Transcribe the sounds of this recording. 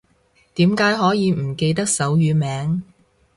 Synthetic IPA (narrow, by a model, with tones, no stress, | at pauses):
t̪iː˨˥mkaː˨˥jɦɔː˨˥jiː˨˧m̩˨˩ke˧jt̪ɐ˥k̚sɐ˨˥wjyː˨˧mɛː˨˧˥ŋ